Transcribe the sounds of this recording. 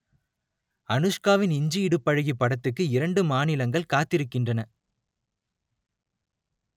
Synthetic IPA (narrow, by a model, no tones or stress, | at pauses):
ɐnɯʂkaːʋɪnɪɲd͡ʒiɪɽɯpːɐɻɯɣipːɐɽɐt̪ːɯkːɯɪɾɐɳɖɯmaːnɪlɐŋɡɐɭkaːt̪ːɪɾɯkːɪndrɐnɐ